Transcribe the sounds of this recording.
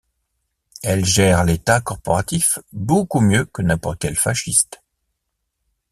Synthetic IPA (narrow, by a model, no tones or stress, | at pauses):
ɛlʒɛʁlet̪akɔʁpɔʁat̪ifbokumjøkənɛ̃pɔʁt̪̚kʲɛlfaʃist̪